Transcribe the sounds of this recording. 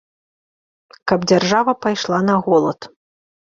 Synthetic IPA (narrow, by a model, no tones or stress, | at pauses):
kɐbd͡zʲarʐavɐpajʂlˠanɐɣɔlˠɐt̪